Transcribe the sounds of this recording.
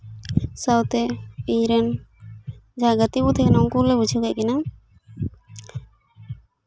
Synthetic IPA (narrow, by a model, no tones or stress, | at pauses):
sawt̪ɛiɲɾɛn | d͡ʒaɡət̪ibut̪ʰɛnɔŋkulɛbud͡ʒʰʱəɡɛʔkɛna